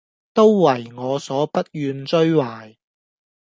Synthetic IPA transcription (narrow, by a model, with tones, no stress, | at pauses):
t̪o˥wːɐ˨˩jŋɔː˨˧sɔː˨˥pɐ˥t̚jyː˨˧nt͡ʃɵ˥ɥwaː˨˩j